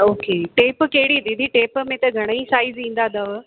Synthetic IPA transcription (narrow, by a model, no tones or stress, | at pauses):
oːkeʈeːpkɐɦɪɽid̪ĩd̪ʱiʈeːpmẽt̪ɐɡʱɐɽ̃isaːɪzĩːn̆d̪ad̪aʋ